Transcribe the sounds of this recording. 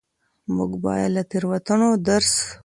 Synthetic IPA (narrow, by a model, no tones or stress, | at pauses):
mʊɡbɑ̰ːjalat̪iɾwat̪əɳod̪aɾs